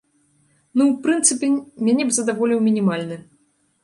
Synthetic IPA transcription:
nuwpɾɨnt̪sɨpʲɛmʲanʲɛbzɐd̪avɔlʲiwmʲinʲimalʲnɨ

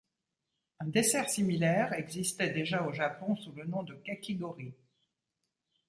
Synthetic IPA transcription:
ɛ̃d̪esɛʁsimilɛʁɛɡzist̪ɛd̪eʒaoʒapɔ̃sulənɔ̃d̪əkakeɡɔʁi

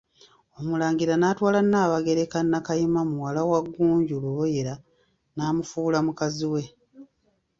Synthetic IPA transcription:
o̞mulaːŋɡiɾanaːtwaːlanːaːβaɡe̞ɾe̞kanːakajimamuwalawaɡːuːɲɟuluβoje̞ɾa | naːmufulamukaziwe̞

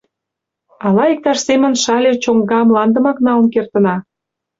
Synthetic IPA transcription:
ɑlɑik̚t̪ɑʃsemə̆nʃɑlʲet͡ɕoŋɡɑmlɑnd̪ə̆mɑknɑlənkert̪ə̆nɑ

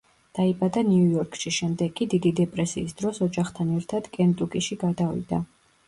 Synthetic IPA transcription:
d̪̥aibad̪aniujɔɾkʼʃiʃɛmd̪ɛɡʼid̪id̪id̪ɛpʼɾɛsiːsd̪ɾɔsɔd͡ʒaχt̪ʰanɛɾt̪ʰad̪kʼɛnt̪ʼukʼiʃiɡad̪avḭd̪̥a

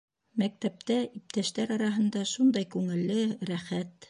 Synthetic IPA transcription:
mæk̚t̪æp̚t̪æip̚t̪æʃt̪æɾɑɾɑɦɤ̆nd̪ɑʃund̪ɑjkʉŋɘ̆lːɘɾæχæt̪

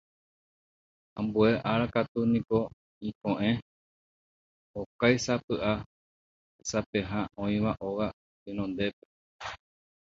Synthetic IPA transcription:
ãmbue̞ʔaɾakat̪unĩko̞ | ĩkõʔẽ̞ | okajsapɨʔa | sapeɦãõĩʋaʔowa | inõ̞nd̪e̞pe̥

